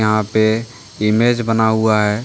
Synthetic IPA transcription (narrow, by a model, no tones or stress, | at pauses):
əɦãpe | ɪmed͡ʒbənaɦuaɦɛː